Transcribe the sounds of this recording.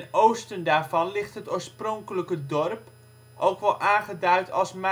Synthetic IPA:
nowstəndaːɹvɑnlɪχtɦətoːɹsprɔŋkələkədɔrp | ʔowkʋɛlˠʔaːnχədœɥtʰɑ̰lˠsm

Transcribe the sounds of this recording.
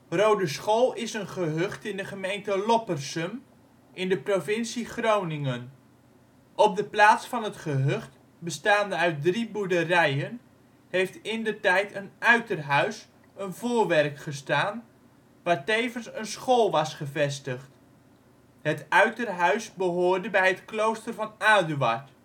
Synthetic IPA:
rowdəsχoːlˠɪsənχəɦɵχtɪndəχəmejntəlɔpərsəm | ʔɪndəprovɪnsiχrownɪŋən | ʔɔp̚dəplaːtsfɑnɦətχəɦɵχt | bəstaːndəœɥt̚dribuɹdərɛjən | hejftɪndətɛjtʰənœɥtərɦœɥs | ənvoːrʋɛrkχəstaːn | ʋaːɹtejvənsənsχoːlˠʋɑsχəvɛstəχt | hətœɥtərɦœɥsbəɦoːɹdəbɛjɦətklowstərvɑnaːdyʋa̰ɹt

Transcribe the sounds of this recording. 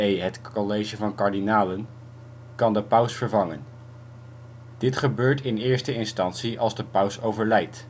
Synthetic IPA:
ejɦətolejʒəvɑnkɑɹdinaːlən | kɑndəpœwsfəɹvɑŋən | d̥ɪtχəbøːɹtɪnɪːɹstəɪnstɑntsiʔɑlˠzdəpœwsowvəɹlɛjt

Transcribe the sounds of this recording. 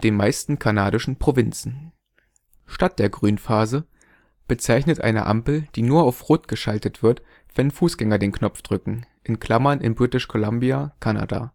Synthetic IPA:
d̥eːnmaɪstn̩kʰanaːɾɪʃn̩pʁ̥ovɪnt͡sn̩ | ʃtat̚d̥eːɐɡʁyːnfaːzə | b̥ət͡saɪçnətʔa̰ɪnə̰ʔa̰mpl̩d̥iːnuːɐaʊfʁoːtɡ̥əʃaltətv̥ɪɐt | v̥ɛnfuːsɡ̥ɛŋɐdeːnknɔp͡fd̥ʁʏkŋ̩ʔɪnkʰl̥amɐnɪnbʁɪtɪʃkʰolambiakʰana̰da̰ː

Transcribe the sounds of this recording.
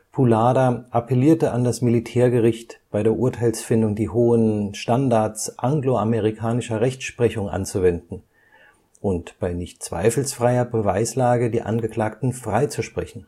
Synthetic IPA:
pʰulaːdaʔapɛliːɐtəʔandasmilitʰɛːɐɡəʁɪçtb̥aɪdeːɐʔʊɐtʰaɪlsfɪndʊŋdiːɦoːənʃtandaɐt͡sʔaŋɡloameʁikʰaːnɪʃɐʁɛçt͡sʃpʁ̥ɛçʊŋʔa̰nt͡suvɛndn̩ | ʔʊntb̥aɪnɪçtt͡sv̥a̰ɪfl̩sfʁ̥aɪɐbəvaɪslaːɡədiːʔa̰nɡəkl̥aːktn̩fʁ̥aɪt͡suʃpʁ̥ɛçn̩

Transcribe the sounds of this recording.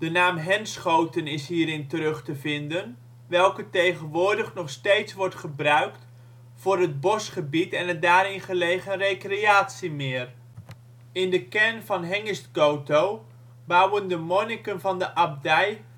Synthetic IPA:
d̥ənaːmɦɛnsχowtənɪsɦiːɾɪntəɾɵχtəvɪndən | ʋɛlˠkətejχənʋʊːɹdəχnɔχstejtsʋɔɹtχəbrœɥkt | v̥ʊːɾɦəd̚bɔsχəbitɛnət̚daːɾɪnχəlejχənrejkrejaːtsimɪːr | ɪndəkɛɹnvɑnɦɛŋəstɡowtow | bɑwəndəmɔnɪkənvɑndəʔɑb̚dɛj

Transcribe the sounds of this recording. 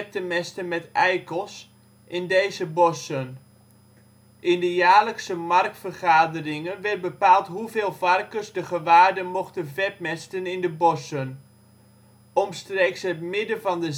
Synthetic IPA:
p̚təmɛstənmɛtɛjkəlˠs | ʔɪndejzəbɔsən | ʔɪndəjaːləksəmɑrk̚tfərχaːdərɪŋənʋɛrt̚bəpaːlˠtɦuveːlˠvɑrkərsdəχəʋaːrdəmoχtənvɛp̚mɛstənɪndəbɔsən | ɔmstreːksɦətmɪdəvɑndə

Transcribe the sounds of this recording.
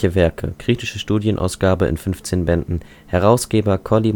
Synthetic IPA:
əvɛɐkʰə̰kʁ̥iːtɪʃəʃtuːdjənʔa̰ʊsɡ̥aːbəɪ̰nfʏnft͡seːnbɛndn̩ | hɛʁ̞aʊsɡ̥eːbɐkʰɔli

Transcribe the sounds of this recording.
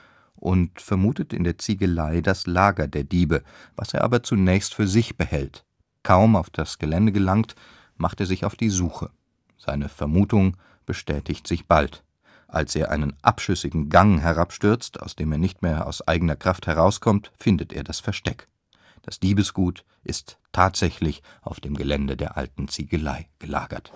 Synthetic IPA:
ʔʊntfɛɐmuːtətɪ̰ndeːɐt͡siːɡəlaɪdaslaːɡɐdeːɐdiːbəva̰seːɐʔaːbɐt͡sunɛːçstfyːɐzɪçb̥əhɛlt | kʰaʊmaʊfd̥asɡ̥əlɛndəɡəlaŋt | maχteːɐzɪçaʊfd̥iːzuːxə | z̥a̰ɪnəfɛɐmuːtʊŋ | b̥əʃtɛːtɪçtz̥ɪçb̥alt | ʔa̰lsʔeːɐʔa̰ɪnənʔa̰pʃʏsɪɡŋ̩ɡaŋɦɛʁapʃtʏɐt͡stʰa̰ʊsd̥eːmeːɐnɪçtmeːɐa̰ʊsʔa̰ɪɡənɐkʁ̥afthɛʁ̞aʊskʰɔmtfɪndətḛːɐdasfɛɐʃtɛk | d̥asl̥iːbəsɡ̥uːt | ʔɪstʰːaːtz̥ɛçlɪçʔaʊfd̥eːmɡəlɛndədeːɐʔa̰ltn̩t͡siːɡəla̰ɪɡ̥əla̰ːɡɐ̰t

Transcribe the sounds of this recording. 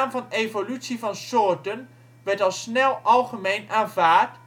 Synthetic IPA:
mvɑnevolytsivɑnsʊːɹtən | ʋɛɹtɑlˠsnɛlˠɑlˠχəmejnaːnvaːɹt

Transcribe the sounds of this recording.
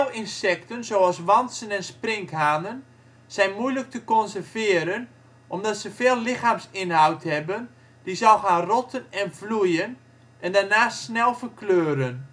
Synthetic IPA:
wɪnsɛktənzoːasʋɑnsənɛnsprɪŋkɦaːnən | z̥ɛjnmujlək̚təkɔnsərvɪːəɾən | ʔɔmdɔtsəveːlˠlɪxaːmsɪnɦawthɛbən | dizɔlˠxaːnrɔtʰənɛnvlujən | ɛndanaːsnɛlˠfərkløːɾən

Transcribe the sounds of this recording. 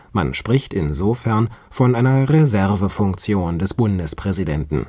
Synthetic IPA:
ma̰nʃpʁ̥ɪçtɪnzofɛɐn | fɔnʔaɪnɐʁezɛɐvəfʊŋk̚t͡sjoːndɛsb̥ʊndəspʁ̥ɛzidɛntn̩

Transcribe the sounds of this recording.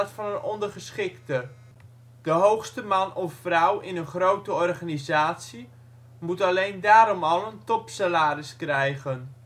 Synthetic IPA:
tfɑnənɔndərχəsχɪktə | d̥əɦowxstəmɑnʔɔffrʌwʔɪnənχrowtəɔrχanizaːtsi | mutɑlejndaːɾɔmɑlˠəntɔpsalaːrɪskrɛjɣən

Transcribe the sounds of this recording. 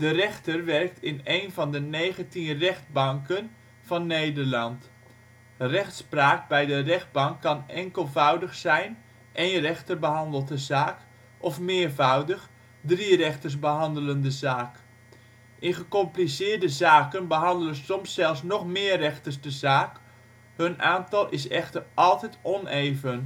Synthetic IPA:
d̥ərɛxtərʋɛrk̚tʰɪnejnvɑndəneːɣəntinrɛxd̚bɑŋkən | v̥ɑnːejdərlɑnt | rɛxtspraːk̚bɛjdərɛxd̚bɑŋkʰːɑnɛŋkəlˠvawdəxsɛjn | ʔejnrɛxtərbəɦɑndəlˠdəzaːk | ʔɔfmɪːɹvawdəx | drirɛxtərs̬bəɦɑndələndəzaːk | ʔɪnχəkɔmplisɪːrdəzaːkənbəɦɑndələnsɔmsːɛlˠfsnɔxmɪːərɛxtərsdəzaːk | hønʔaːntɑlˠʔɪsɛxtərʔɑlˠtɛtɔneːvən

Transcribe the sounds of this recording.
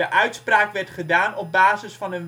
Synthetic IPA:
əʔœɥtspraːkʋɛrtχədaːnɔp̚baːzəsfɑnən

